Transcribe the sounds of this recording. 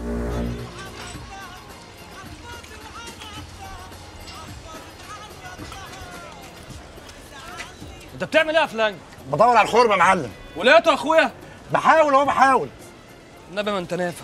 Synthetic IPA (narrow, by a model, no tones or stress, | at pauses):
ʔent̪æb̚t̪eʕmelʔiːhæflæŋ | bet̪ˤɑwːɑɾˤʕalxoɾbæmʕalːem | welæjæt̪oʔæxwejæ | beħaːwelhowæbeħaːwel | nːæbæmænt̪ænæːfæ